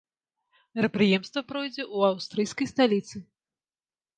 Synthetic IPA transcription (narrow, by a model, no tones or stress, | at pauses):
mʲɪɾɐpɾɨjɛmst̪vɐpɾɔjd͡zʲɛʔuawst̪ɾɨjskɐjst̪alʲit̪sɨ